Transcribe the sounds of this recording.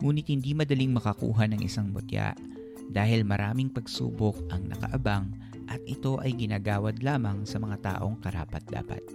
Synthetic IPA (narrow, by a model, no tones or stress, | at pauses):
ŋuːnɪt̪̚hɪnd̪imɐd̪ɐliŋmɐkɐkṵːɦɐnɐŋʔɪ̰saŋmʊt̪ja̰ʔ | d̪aːhɪlmɐɾʔaːmɪŋpɐɡsṵːbok̚ʔɐŋnʔɐ̰kɐ̰ʔɐbaŋ | ʔɐt̪̚ʔɪt̪o̞ʔɐjɡɪnaːɡaːwɐd̪laːmɐŋsɐmɐŋat̪a̰ːʔo̞ŋkɐɾaːpɐt̪̚la̰ːpɐ̰t̪̚